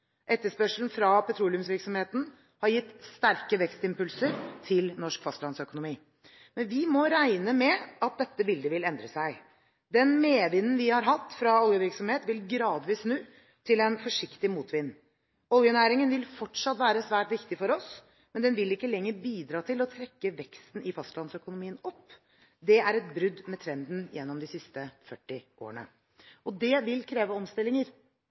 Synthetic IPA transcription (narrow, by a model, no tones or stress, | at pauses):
ʔɛt̪ːəʂpœʂln̩fɾɑpʰɛt̪ʰɾuːlɪʉmsʋɪɾksɔmheːt̪n̩ | hɑɾjɪt̪ːst̪æɾkəʋɛkst̪ɪmpʉlsəɾt̪ʰɪlnɔʂkfɑst̪lɑnsœkʊnʊmiː | mɛnʋɪmɔɾæɪnəmɛɑt̪̚d̪ɛt̪ːəbɪld̪əʋɪlɛnd̪ɾəsæɪ | d̪ɛnmeːʋɪnːn̩ʋɪhɑɾɦɑt̪ːfɾɑɔljəʋɪɾksɔmheːt̪ʋɪlɡɾɑːd̪ʋiːsnʉː | t̪ʰɪlɛnfɔʂɪkt̪ɪmuːt̪ʋɪnː | ɔlˠjənæːɾɪŋənʋɪlfɔʈʂɑt̪ːʋæːɾəsʋæːʈʋɪkt̪ɪfɔɾɔs | mɛnd̪ɛnʋɪlɪkːəlɛŋːəɾbiːd̪ɾɑːt̪ʰɪlɔt̪ʰɾɛkːəʋɛkst̪n̩ɪfɑst̪lɑnsœkʊnʊmiːənɔpː | d̪ɛʔæɾɛt̪̚bɾʉd̪mɛt̪ʰɾɛnd̪n̩jɛnːɔmd̪ɪsɪst̪əfœʈːɪʔo̰ːəɳə̰ | ɔd̪ɛʋɪlkʰɾeːʋəɔmst̪ɪlːɪŋəɾ